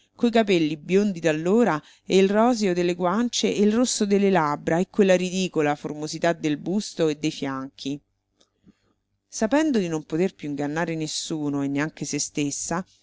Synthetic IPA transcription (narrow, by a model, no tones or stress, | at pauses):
kojkapɛlːibjond̪id̪alːoːɾa | eilrɔːzeod̪elːeɡwant͡ʃeʔeilrosːod̪elːelabɾaekːwelːaɾid̪iːkolaformozit̪ad̪elbust̪oed̪ːejfjaŋk̟ʰi | sapɛnd̪od̪inompot̪erpjuiŋɡanːaːɾenesːuːnoenːeaŋk̟esest̪esːa